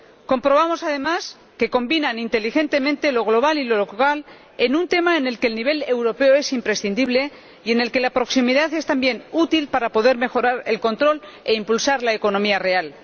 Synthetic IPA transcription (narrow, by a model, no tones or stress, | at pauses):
ko̞mpɾoβamo̞sað̞e̞mas | ke̞ko̞mbinanint̪e̞lixe̞nt̪e̞mẽ̞nt̪e̞lo̞ɣ̞lo̞β̞alilo̞lo̞kal | e̞nunt̪e̞maene̞lkeːlniβ̞e̞le̞wɾo̞pe̞oe̞simpɾe̞sθind̪iβle̞ | ie̞ne̞lke̞lapɾo̞ksimiðaθe̞st̪ambje̞nut̪ilpaɾapo̞ðe̞ɾme̞xo̞ɾaɾe̞̰lko̞nt̪ɾo̞l | e̞impulsaɾlaeko̞no̞miare̞al